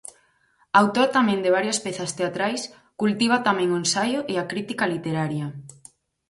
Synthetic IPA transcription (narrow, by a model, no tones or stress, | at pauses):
awt̪oɾt̪amẽnd̪eβaɾjospeθast̪eat̪ɾajs | kult̪iβ̞at̪amẽŋoensajoʔeakɾit̪ikalit̪eɾaɾjɐ